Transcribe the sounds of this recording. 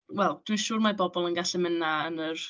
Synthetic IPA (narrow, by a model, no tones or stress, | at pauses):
wɛlˠd̥wiʃuːrmabɔbɔlˠənɡaɬɛmənaənər